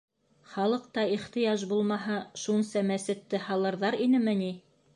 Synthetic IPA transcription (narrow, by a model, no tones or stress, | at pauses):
χɑlˠɤ̆q̚t̪ɑiχt̪ɤ̆jɑʒbulˠmɑɦɑʃunsɑmæsɘ̆t̪ːɘhɑlˠɤ̆ɾðɑɾinɘmɘ̆ni